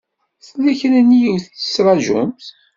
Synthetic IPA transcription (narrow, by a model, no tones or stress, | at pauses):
θlːæçnənːijiwθə̥sɾˤɑʒʊ̰mθ